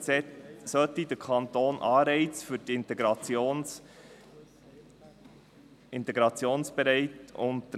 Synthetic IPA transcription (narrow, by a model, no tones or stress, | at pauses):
ɛsœt̪ːidəkʰɑnt̪oːnʔɑːɾɛɪt͡sfyɾtɪntɛɡɾɑjoː | ɪnt̪ɛɡɾɑt͡sjoːnsb̥ɛɾɛɪtʊntə